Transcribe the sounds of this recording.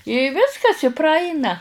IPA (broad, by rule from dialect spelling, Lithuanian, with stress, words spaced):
ɪ ˈʋʲɪskɐs ɪ prɐˈɐɪnɐ